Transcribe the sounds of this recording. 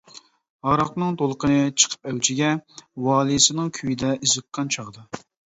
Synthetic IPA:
hɑɾɑqnɨŋt̪ʰolˠqənɨt͡ʃʰə̥qʰə̥p̚ɛwt͡ʃʰɪɡʲɛwɑːlˠisɨnɨŋkʲʰyjid̪ɛʔizəqʰːɑnt͡ʃʰɑʁəd̪ɑ

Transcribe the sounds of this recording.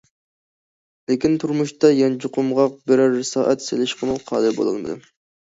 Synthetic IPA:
lɪkʲint̪ʰuɾmuʃt̪ɑjɑnd͡ʒuqʰʊmʁɑq̚bɪɾɑɾːɪsɑːʔɛt̪selɪʃqʰəmɨwqʰɑ̰ːd̪ɨbo̰lˠɨ̰lˠmɨ̰d̪ɨ

